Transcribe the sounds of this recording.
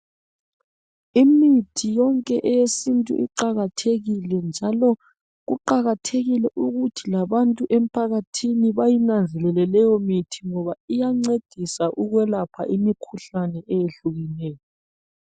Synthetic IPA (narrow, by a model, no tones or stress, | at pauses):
imitʰijɔŋkʼɛʔɛjesintʼṵʔḭǃaɣatʰeɣilɛnd͡ʒʱalɔ | ɣuǃaɣatʰeɣilɛʔuɣutʰilaβantʼuʔem̩pʰaɣatʰiniβajinand͡zʱɛlɛlɛlɛjɔmitʰiŋɔβaijaŋ͡ǀed̥ʱisaʔuɣwɛlapʰa̰ʔimikʰuɬanɛʔɛjeɬuɣinɛːjɔ